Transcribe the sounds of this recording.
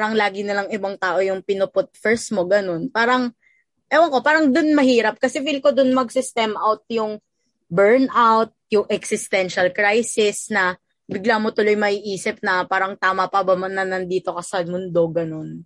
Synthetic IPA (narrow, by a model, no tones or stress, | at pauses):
paɾɐŋlaːɡɪnɪlɐŋɪbaŋt̪aːʔo̞jʊŋpɪnʊpʊt̪̚fɛɹsmoɡɐno̞npaːɾɐŋ | ʔɛwɐŋko̞paːɾɐŋd̪ʊnmɐhiːɾɐp̚kɐsɛfilkod̪ʊnmɐɡsɪst̪ɛmʔawt̪̚jʊŋ | bɛɹnʔawt̪̚jʊŋʔɛksɪst̪ɛnʃɐlkɾajsɪsnɐ | bɪɡlamo̞t̪ʊlo̞jmɐʔiʔiːsɪp̚nɐpaːɾɐŋt̪aːmɐpɐbɐmɐnɐnɐnd̪iːt̪o̞kɐsalmʊnd̪o̞ɡɐno̞n